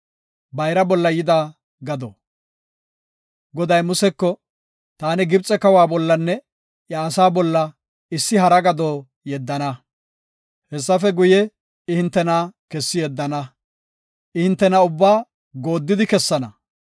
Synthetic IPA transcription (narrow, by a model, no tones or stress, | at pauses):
bɐjɾɐbɔlːɐjɪd̪aː | ɡɐd̪o | ɡɔd̪ɐjmʊsɛkːɔ | t̪aːnɛɡɪbt͡sʼɛkɐwaːbɔlːɐnːɛ | ʔjaːsaːbɔlːɐ | ɪsːɪɦɐɾɐɡɐd̪oː | jɛd̪ːɐnɐ | hɛsːɐfɛɡʊjɛ | ɪhɪnt̪ːɛnaːkɛsːɪjɛd̪ːɐnɐ | ʔɪhɪnt̪ːɛnɐʊbːaː | ɡo̞ːd̪ːɪd̪ɪkɛsːɐnɐ̰